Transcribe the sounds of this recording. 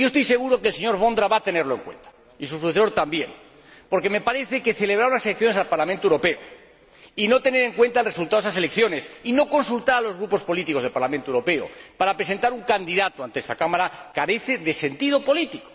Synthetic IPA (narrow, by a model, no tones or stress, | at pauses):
joest̪o̞jse̞ɣuɾokelseɲo̞ɾβo̞nd̪ɾaβat̪e̞ne̞ɾlo̞e̞ŋkwe̞̰nt̪ḁ | isusuθeso̞ɾt̪ambje̞n | po̞ɾke̞me̞paɾe̞θe̞ke̞θe̞le̞βɾaɾunaselekθjo̞nesalpaɾlamẽnt̪oewɾo̞pe̞o | ino̞t̪e̞ne̞ɾe̞ŋkwe̞nt̪aelre̞sult̪aðesasele̞kθjo̞nesino̞ko̞nsult̪aɾalo̞zɣɾupo̞spo̞lit̪iko̞zðelpaɾlamẽnt̪oewɾo̞pe̞o̰paɾapɾese̞nt̪aɾuŋkand̪iðat̪oant̪eest̪akamaɾakaɾe̞θe̞ðe̞se̞nt̪ið̞o̞po̞lit̪iko̥